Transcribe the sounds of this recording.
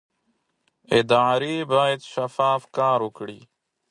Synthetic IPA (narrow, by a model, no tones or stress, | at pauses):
ed̪aːɾiːbaːit̪ʃəfaːfkãːɾʊkɽiː